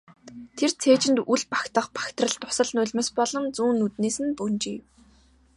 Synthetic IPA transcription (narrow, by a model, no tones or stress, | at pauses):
t̪ʰert͡sʰeːt͡ɕɪ̆nt̪uɮpḁkt̪ə̆χpḁkt̪rə̆ɮt̪ʊ̥sə̆ɮnʊɮʲmeːspɔɮɞ̆mt͡suːnːut̪neːsɘ̆npunt͡ɕiːw